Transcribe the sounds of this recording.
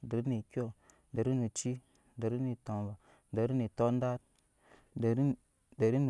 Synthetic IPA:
də˨ɾi˦ni˨kʲi˦o˨ | da˨ɾi˦ni˨t͡ʃi˦ | də˨ɾi˦ni˨to˨mva˨ | da˨˦ɾi˦ni˨to˦n˦da˦t̚ | d | da˨ɾi˦n˨

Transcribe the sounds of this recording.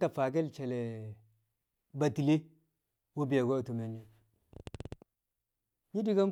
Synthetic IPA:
ta˨fa˨ɡ̬e˦lt͡ʃe˨le˨ | ba˨ti˨le˦ | wo˦bi˨ja˨ɡʷa˦˨to˨me˨nːi˨ | ɲi˦di˦ɡa˦n

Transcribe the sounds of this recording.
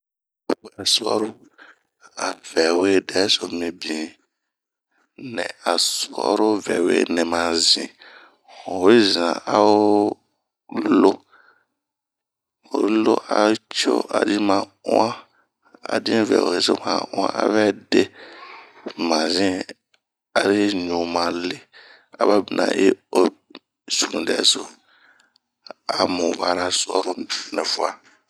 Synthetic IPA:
o˨˦a˨su˨ɔ̰˦ɾo˦ | a˨vɛ˨we˦dɛ˨˦so˨mĩ˧bĩ˨ | nɛ̃˨a˨su˨ɔ̰˦ɾo˦vɛ̰˨wḛ˦nɛ̃˨mãː˨˦zĩ˨ | o˨i˦˨zã̰˨a˦wo˦ | lo˦ | o̰˨ɾlo˦ʔa˨˦t͡ʃo̰˦ʔa̰˨di˦mãː˧˦ã˦ | a̰˨dĩ˦vɛ̰˨o̰˨e˨so̰˦mã̰˨˦ã̰˦ʔa̰˦vɛ˦de˦ | mã˨zĩ˦ | a˨ɾɪ˦ɲũ˨mã˨lɪ˦ | a˨βa˦bi˨nʔã̰˨ʔe˦o˨ | su˨ɾũ˨dɛ̰˨˦so˨ | a˨mʊ̃˨ba˨nã˨sɔ˦ɾʊ˦nɛ̃˨fʊ˨a˨

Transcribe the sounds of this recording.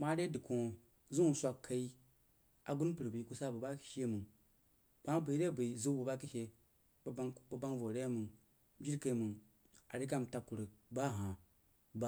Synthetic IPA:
ma˦ɾe˦di˨kõ˨ | zu˦u˨sʷa˨kʰːa˨i˦ | a̰˨ɡu˦npɨ˨ɾbi˨ku˦sa˦bu˨ba˦ki̥˦ʃe˦mu˨ŋ | b̥a˦bu˨i˦ɾe˦˨bi˨zu˦bu˨ba˦ki˦ʃe˦ | bŋba˨ba˦ŋvo˨ɾe˦mu˨ŋ˦ | d͡ʒi˦ɾka˨i˦mu˨ŋ | a̰˨ɾe˦k̬a˦˨mta˨ku˨ɾə˨ba˦˨ɦã˨ | ba˦

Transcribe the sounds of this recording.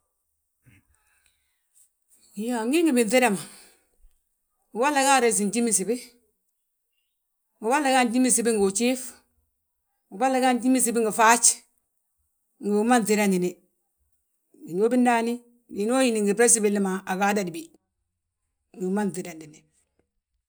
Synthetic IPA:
ja˨ŋɡɪ˦ŋɡi˨bi˨nte˦ɾa˦˨ma˨ | u˨ba˦lːa˨ɡa˦˨ɾɛ˨s̬i˨nt͡ʃi˦mi˦si˨bɪ˦ | ŋu˨ba˦la˨ka˦˨n˦t͡ʃi˦mi˦si˨bɪ˦ŋɡo˨t͡ʃi˦f | u˨ba˦lːa˦ɡa˦n˦t͡ʃi˦mi˦s̬i˨bi˦ŋɡi˨fa˦t͡ʃ | ŋ̩ɡi˨u˨˦ma˦nti˨ɾa˦ndi˨ni˨ | bi˨no˦bi˦n˦da˦ni˦ | bi˨n˦o˦ji˦ni˨ŋɡɪ˨pɾe˦s̬i˦bɪ˨lɪ˦ma˨a˨ɡaː˦da˨di˨bi˨ | ŋɡi˨ma˦n˨ti˨da˨ndi˨ni˨

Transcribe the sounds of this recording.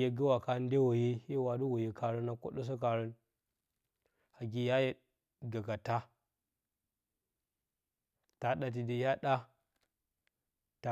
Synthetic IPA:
je˨ɡə˦wa˨ka˦n˦de˦wo˨ji˦ji˦wa˨du˦wo˨ji˨ka˨ɾə˦na˨ko̰˦ɗə˦s̬ə˦k̬a˨ɾə˦n | a˨ɡi˨ja˦je˦ | ɡa˨ka˨ta˦ | ta˨ɗa˨t̬i˨di˨ja˦ɗa˦ | ta˨

